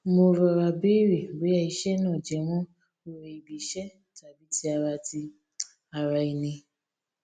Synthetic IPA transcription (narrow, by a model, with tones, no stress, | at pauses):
mo˧ɾɔ˧ɾa˧be˦ɾe˨be˨˦a˧˨i˨˧˦ʃɛ˦nã˦˨d͡ʒɛ˨˦mɔ̃˦ | o˧ɾe˧i˨bi˨ʃɛ˦ | ta˨bi˨˦ti˦a˧ɾa˧ti˧ | a˧ɾa˧i˧nĩ˧